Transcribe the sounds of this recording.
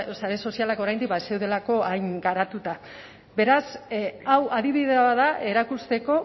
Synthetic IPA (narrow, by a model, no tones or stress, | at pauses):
saɾe̞so̞sialakoɾajnd̪ikbase̞wð̞e̞lako̞ajŋɡaɾat̪ut̪a | be̞ɾasawaðiβiðeβaðaʔe̞ɾakust̪e̞ko̞